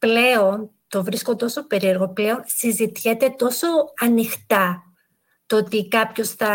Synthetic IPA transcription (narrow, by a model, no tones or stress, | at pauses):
ple̞on | t̪o̞vɾisko̞t̪o̞so̞pe̞ɾie̞ɾɣo̞ple̞o̞nsizit̪çet̪e̞t̪o̞so̞ɐnixt̪ɐ | t̪oot̪ikɐpço̞sθɐ